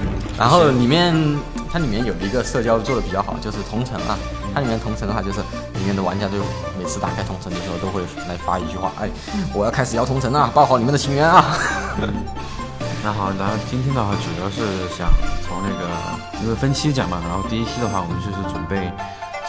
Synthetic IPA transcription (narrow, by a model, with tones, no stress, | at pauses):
n̩˥˩ɻʔa̰˧˥nxo˥˩ʊli˨˩mjɛ˥˩nt̪ʰa˥li˨˩mjɛ˥˩njo˨˩ʊd̪ə˦i˧˥ɡə˧ʂɤ˥˧t͡ɕjɑ˥˧ʊt͡swɔ˥˩ɾə˩pi˨˩t͡ɕɑ˥˩ʊxɑ̰˨˩ʊt͡ɕjo˥˧ʊʂɻ̩˥˩t̪ʰʊ˧˥ŋʈ͡ʂʰɤ˧˥ŋʔɐ̰˧ | t̪ʰa˥i˨˩mjɛ˥˩nt̪ʰʊ˧˥ŋʰʈ͡ʂʰŋə˧wa˥˧t͡ɕjʊʂɻ̩˥˩ | li˨˩mjɛ˥˩d̪ə˩wa˧˥nt͡ɕj̪wxwme˨˩ɪt͡s̩ʰ˥˧t̪a̰˨˩kʰa˥ɪʊ˧˥ŋʈ͡ʂʰɤ˧˥ŋd̪ə˨˩ʂɻ̩˧˥xo˥˧ʊt̪o˥ʊxwe˥˩ɪla˧˥ɪfa̰˥i˧˥t͡ɕy˥˧xwa̰˥˩ʔa̰˥˩ɪ | wɔ˨˩jɑ˥˧ʊkʰa˥ɪʂɻ̩˨˩jɑ˥t̪ʰʊ˧˥ŋt͡sʰɤ˧˥ŋɐ˥˧pɑ˥ʊxɑ˧˥ʊi˨˩˥də˩t͡ɕʰi˧˥ŋɥɛ˧˥nɐ˧ | na˧˥˩xɑ˨˩ʊna˧˥˩t͡ɕi˥nt̪ʰjɛ˥nd̪ə˨xwa˥˩ʈ͡ʂu˨˩jɑ˥˧ʊʂɻ̩˥˩ɕjɑ̰˨˩˦ŋt͡sʰʊ˧˥ŋna˥˩ɡə˩ | o˥˩ʊ˥˩fə˥nt͡ɕʰi˥t͡ɕjɑ̰˨˩ŋmɐ˦ɻa˧˥nxo˥˧t̪i˥˧i˥t͡ɕʰi˥də˨xwa˥˩wɔ˨˩mə˦nt͡ɕjo˥˧ʊʂɻ̩˥˩ʈ͡ʂwə̰˨˩npe˥˩ɪ